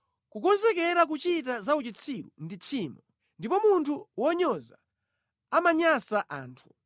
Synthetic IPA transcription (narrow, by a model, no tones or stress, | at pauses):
kukɔnzɛk̬ɛɾak̬ut͡ʃit̬azaut͡ʃit͡sʰiɾṵndit͡ʃʰiːmɔ | ndipɔmuntʰuwɔɲɔza̰ | amaɲasaʔaːntʰu